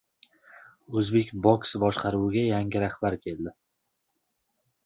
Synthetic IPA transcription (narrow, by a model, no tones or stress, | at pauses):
ɵzbe̞kʲboksbɒʃqʰɑɾuwɪɡʲajaŋɡʲɪɾahbaɾkʲʰe̞lˠd̪ɪ